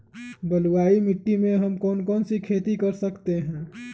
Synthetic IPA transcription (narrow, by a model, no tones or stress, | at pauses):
bəluwaːimɪʈːimẽɦɐmkɔːnkɔːnsikʰeːt̪ikɐɾsəkt̪eɦɛ̃ː